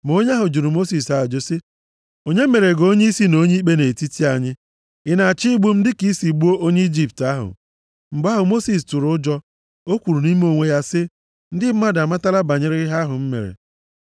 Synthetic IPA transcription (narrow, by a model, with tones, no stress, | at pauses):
m˨o˦ɲ˦a˦ɦʊ˨d͡ʒu˨ɾu˨mo˦si˨sa˨d͡ʒo˦sɪ˦ | o˦ɲe˦me˨ɾe˨ɡo˦ɲe˦i˦si˦no˦ɲe˦i˦k͡pe˦ne˨ti˦ti˦a˨ɲɪ˦ | ɪ˦na˨a˨t͡ʃi˦ɡ͡bu˦m̩˦dɪ˦ki˦si˨ɡ͡bu˦o˦ʔo˦ɲe˦i˦d͡ʒi˦˨p̚ta˦ɦʊ̰˨ | m̩˨ɡ͡ba˦ɦʊ˨mo˦si˨s̬tʊ˨ɾʊ˦ʊ˦d͡ʒɔ˦ | o˦kʷu˨ɾu˨ni˦m˦o˦˨ŋʷe˦ja˦sɪ˦ | n̩˦dɪ˦m̩˦ma˦da˨ma˦ta˦la˦ba˨ɲɪ˦ɾɪ˦ɪ˦ɦa˦ɦʊ˨m̩˦mḛ˨ɾḛ˨